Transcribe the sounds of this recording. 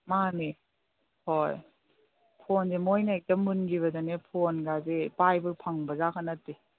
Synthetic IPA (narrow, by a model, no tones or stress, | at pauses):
mani | hoj | pʰonzemojnatɐmɯnɡiβɐdanepʰonɡazepajbɯpʰaŋbɐzakʰanɐtːi